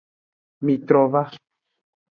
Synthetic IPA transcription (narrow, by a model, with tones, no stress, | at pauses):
mi˨t̪ɾo˨βa˦